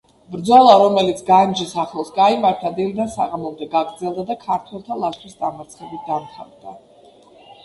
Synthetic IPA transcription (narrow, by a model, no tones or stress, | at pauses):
bɾd̪zɔlˠaɾɔmɛlit̪sʰɡand͡ʒisaχɛlˠsɡaimaɾt̪ʰad̪ilid̪ansa̰ʁamɔmd̪ɛɡaɡɾd̪zɛlˠd̪ad̪akʰaɾt̪ʰwɛlˠt̪ʰalˠasʰwisd̪amaɾt̪sʰχɛbit̪̚d̪amχʰa̰vd̪a